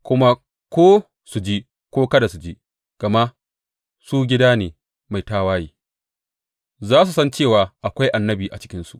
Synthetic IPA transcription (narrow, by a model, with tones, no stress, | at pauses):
kʷʊ˦ma˦ | kʷoː˦ | su˨d͡ʒi˦ | kʷoː˦kɐ˦da˨su˨d͡ʒiː˦ | ɡ̥ɐ˨ma˦ʔ | suː˦ɡʲɪ˦daː˦neː˨ | ma˨jtaː˦waː˦jiː˦ | zaː˦s̬u˨sɐ˦nt͡ʃeː˦˨waː˨ʔa˨kʷa˦jʔa˨nːɐ˦biː˨ʔa̰˨t͡ʃɪ˦kʲɪ˦nsu˨ʔ